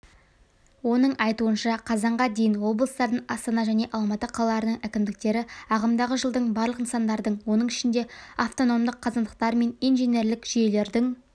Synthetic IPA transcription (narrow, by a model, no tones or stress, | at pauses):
wo̞nəɴɑjt̪uənʃɑqʰɑzɑɴʁɑd̪e̞jɪnwo̞blˠəst̪ɑɾd̪əɴɑst̪ɑnɑʒæne̞ʔɑlˠmɑt̪əqʰɑlˠəlɑɾənəɴʔækʲɪmd̪ɪk̚t̪e̞ɾɪɑʁəmd̪ɑʁəʒəlˠd̪əɴbɑɾlˠəqənsɑnd̪ɑɾd̪əɴwo̞nəɴɪʃɪnd̪e̞aft̪o̞no̞md̪əqʰːɑzɑnd̪əq̚t̪ɑɾme̞nijnʒene̞ɾlɪkʒ̥ije̞le̞ɾd̪ɪŋ